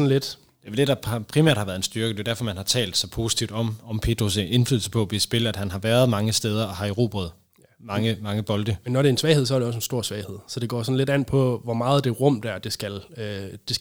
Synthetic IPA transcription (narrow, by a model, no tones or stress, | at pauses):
ɒn̩led̥ | d̥eæd̥e̝dɑ̈pʰʁimæɐ̰d̥hɑʋæɐðˠensd̥yɐɡ̥əd̥e̝ʊdæɐfɒ̽mænhɑ̈t͡sʰɛ̰ːld̥sɒ̽pʰo̝ːsi̥t͡sʰiʊd̥ɒ̽mɒ̽mpʰe̝̰ːd̥ʁose̝nfly̰ð̰l̩səpʰɒ̽b̥isb̥e̝ləæd̥hænɦɑ̈ʋæːɐðˠmɑ̈ŋəsd̥eːð̞ˠɐɒhɑ̈iʁo̝̰ːb̥ʁɐð̞̩ˠ | mɑ̈ŋəmɑ̈ŋəb̥ɒ̽ld̥əmenːɒɾe̝ensʋɛɪheð̰ˠs̬ɒɐɾeɒ̽s̬ensd̥o̝ɐ̰sʋɛɪhe̝ð̞̰ˠsɒ̽d̥e̝ɡ̥ɒ̰ːsɒ̽nle̝dæn̰pʰɒ̽ʋɒmɑ̈ːð̩ˠd̥e̝ʁɔ̽m̰d̥æɐd̥e̝sɡ̥æld̥e̝s